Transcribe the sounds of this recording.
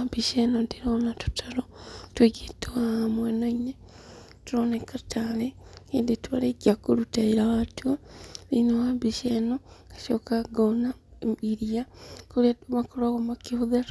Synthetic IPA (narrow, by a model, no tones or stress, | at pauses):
abiʃenondiɾoːnatu̥tʰaɾotweɡetoamweːnoine | tuɾoːnekataɾeeːnditwalekiakuɾutaiɾaβatualinowabiʃenoɡḁʃo̰kaɡonaiɾiakuɾiaβakoɾaɣomakihuða